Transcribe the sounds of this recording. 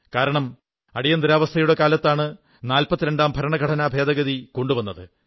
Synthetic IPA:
kaːɾɐɳɐm | ɐɽijɐnd̪iɾaːʋɐst̪ʰɐjuɽe̞kaːlɐt̪ːaːɳɨ | naːlpɐt̪ːiɾeɳɖaːmbʱɐɾɐɳɐɡʱɐʈʰɐnaːbʱe̞ːd̪ɐɣɐðiko̞ɳɖuʋɐnːɐðɨ

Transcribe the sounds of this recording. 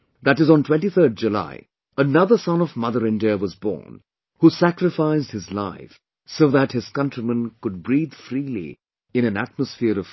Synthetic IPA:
ðæɾɨzn̩tʰw̥ɛ̃ntiθʰə˞d̚d͡ʒɨla̰ɪ | ənʌðəsʌ̃nʌvmʌðəɹɪ̃ndiəwʌzbɔ̰ːn | husækɾɨfaɪzd̚hɨzla̰ɪf | soʊðæt̚hɨz̥kʌ̃ntɹ̥imə̃nkʊd̚bɹiːð̥fɾiːlḭ | ɨ̃nɨ̃næ̰t̚məsfɪəɾʌv̥

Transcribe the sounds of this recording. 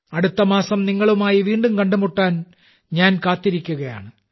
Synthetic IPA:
ɐɽut̪ːɐmaːsɐmniŋːɐɭumaːjiʋiːɳɖumkɐɳɖumuʈːaːn | ɲaːnkaːt̪ːiɾikʲːuɣɐja̰ːɳɨ

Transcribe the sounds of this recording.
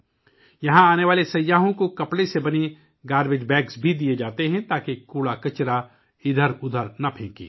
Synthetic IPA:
jɐɦãaːneʋaːlesɐjːaːɦõkokɐpɽesebɐni | ɡaːɾbed͡ʒbɛːksbʱid̪ied͡ʒaːt̪eɦɛ̃t̪aːkekuːɽakɐt͡ʃɾa | ɪd̪ʱəɾʊd̪ʱəɾnɐpʰẽːkḭː

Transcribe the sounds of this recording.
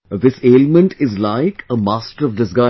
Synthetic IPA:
ðɪseːlmə̃ɳʈʰɪzlaɪkʰəmaːsʈəɾɔʋɖɪsɡa

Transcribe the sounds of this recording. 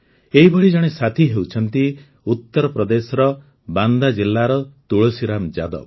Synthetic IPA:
eɦibʱɔɭid͡ʒɔɽ̃esat̪ʰiɦewt͡ʃʰɔnt̪i | ut̪ːɔɾɔpɾɔd̪esɔɾɔ | band̪ad͡ʒilːaɾɔt̪uɭosiɾamd͡ʒa̰d̪ɔ̰

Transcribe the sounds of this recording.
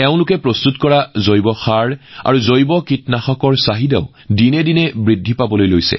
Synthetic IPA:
ɛʊ̃lʊkɛpɹɔst̪utkɔɹazojbɔxaɹa̰ɹuzojbɔkitnaxɔkɔɹsaɦidaʊ | dinɛdinɛbɹidʱːipabɔlojlojsɛ̰

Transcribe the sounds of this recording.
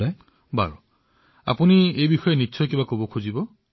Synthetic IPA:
aj | ba̰ɹu | a̰puniejbixɔjenitːsʰɔjkibakobɔkʰuzibɔ

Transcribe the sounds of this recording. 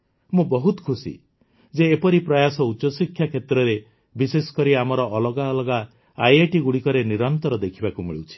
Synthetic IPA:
mũbɔɦut̪ɔ̥kʰusḭ | d͡ʒeːpɔɾipɾɔjasɔut͡ʃːɔsikʰjakʰet̪ɾɔɾe | bisesɔ̥kɔɾiamɔɾɔʔːlɔɡaɔlɔɡaː | jeʈiɡuɽikɔɾeniɾɔnt̪ɔɾɔd̪ekʰibakumḭɭiwt͡ʃʰi̥

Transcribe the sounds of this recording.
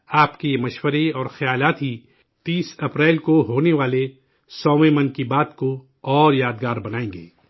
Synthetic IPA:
aːpkemɐʃwəɾeɔːɾxɐjaːlaːt̪ɦi | t̪iːsɐpɾɛːlkoɦoːneʋaːle | sɔːʋẽmɐnkibaːt̪ko | ɔːɾjaːd̪ɡaːɾbɐnaːẽːŋɡḛː

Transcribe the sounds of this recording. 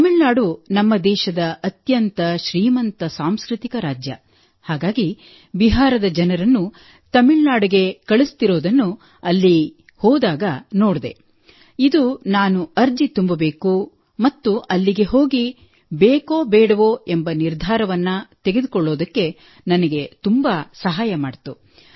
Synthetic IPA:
t̪ɐmiɭnaːɽunɐmːɐd̪ɛːʃɐd̪ɐɐt̪jɐnt̪ɐʃɾiːmɐnt̪ɐsaːmskɾit̪ikɐɾaːd͡ʒjɐ̰ | haːɡaːɡi | biɦaːɾɐd̪ɐd͡ʒɐnɐɾɐnːu | t̪ɐmiɭnaːɽuɡe̞kɐɭist̪iɾo̞ːd̪ɐnːu | ɐlːi | hɔːd̪aːɡɐnoːɽd̪e̞̰ | id̪unaːnuɐɾd͡ʒit̪umbɐbe̞ːku | mɐt̪ːuʔɐlːiɡe̞ɦo̞ːɡi | beːkoːbɛːɽɐʋoembɐniɾd̪ʱaːɾɐʋɐnːɐt̪eɡe̞d̪ukɔɭːo̞ːd̪ɐkːe̞ | nɐnɐɡe̞t̪umbasɐɦaːjɐmaːɽt̪u

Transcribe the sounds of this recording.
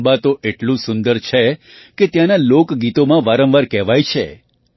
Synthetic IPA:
bat̪oʔeʈlũsʊnd̪əɾt͡ʃʰe | ket̪jãnalokɡit̪omãʋaɾə̃ʋaɾkɛʋajt͡ʃʰḛ

